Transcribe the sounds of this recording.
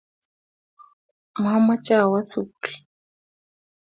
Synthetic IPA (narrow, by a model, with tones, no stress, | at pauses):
m˨ha˦ma˦t͡ʃʼa˦wa˦t͡sʰu˨t͡ɬi̥˨